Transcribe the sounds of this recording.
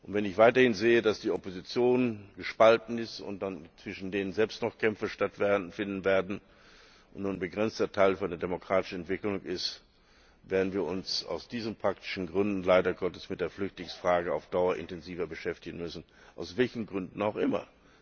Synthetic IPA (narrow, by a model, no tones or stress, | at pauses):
ʔʊntv̥ɛnɪçv̥aɪtɐhɪnzeːədasd̥iːɔpozit͡sjoːnɡ̥əʃpaltn̩ɪstʊ̰nt̚d̥ant͡sv̥ɪʃn̩deːnənzɛlpstnɔχkʰɛmfɐʃtatv̥fɪndn̩veːɐdn̩ | ʔʊnnuːnbəɡʁɛnt͡stɐtʰaɪlfyːanɛɐdemokʁ̥aːtɪ̥ʃn̩ɛntv̥ɪklʊŋɪst | veːɐdn̩viːɐʊnsa̰ʊsd̥iːzəmpʁ̥aktɪ̥ʃn̩ɡʁʏndn̩laɪdɐɡɔtəsmɪt̚d̥eːɐflʏçtlɪŋsfʁ̥aːɡəa̰ʊfd̥aʊɐʔɪ̰ntɛnziːvɐbəʃɛftɪɡn̩mʏsn̩ | ʔa̰ʊsv̥ɛlçn̩ɡʁʏndn̩aʊxʔɪmɐ̰